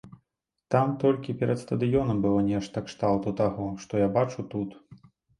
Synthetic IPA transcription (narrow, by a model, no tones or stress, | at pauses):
t̪amt̪ɔlʲkʲipʲɛɾɐt̪st̪ɐd̪ɨjɔnɐmbɨlˠɔnʲɛʂt̪ɐkʂt̪alˠt̪ut̪aɣɔʂt̪ɔjabat͡ʂut̪ut̪